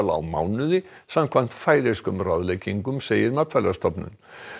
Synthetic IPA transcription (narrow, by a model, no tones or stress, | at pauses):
laa̰wma̰wnʏðɪ | samkʰvan̥t̪faːjɾeskʏmrawðlejciŋkʏmseːjɪɾmat̪fɛlast̪ʰɔpnʏ̰n